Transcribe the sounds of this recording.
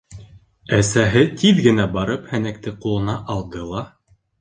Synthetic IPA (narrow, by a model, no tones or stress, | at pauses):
æsæɦɘt̪ʰiðɡɘ̆næbɑɾɤphænæk̚t̪ɘqulˠɤ̆nɑʔɑlˠd̪ɤlˠɑ